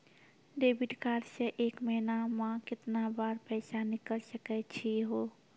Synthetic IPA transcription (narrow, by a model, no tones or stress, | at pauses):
ɖebiʈkaɾsə̃ʔekmənamãkɪt̪nabaɾpəɪsanikəlsəkɛt͡ʃʰiɦo